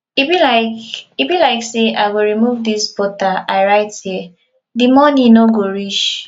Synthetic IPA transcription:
ibilaɪkibilaɪkseʔaɪɡoɾimuvdisbɔtaʔaɪɾaɪthi | dimɔnĩnoɡoɾit͡ʃ

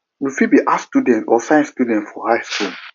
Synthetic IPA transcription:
wifibiʔastudɛ̃ntɔsãɪ̃nstudɛ̃ntfɔhaɪskul

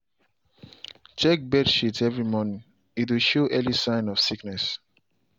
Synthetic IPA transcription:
t͡ʃɛk̚bɛdʃitʰɛvɹimɔnĩŋ | it̬wiʃoʔɛlisãɪ̃nɔv̥siknɛs

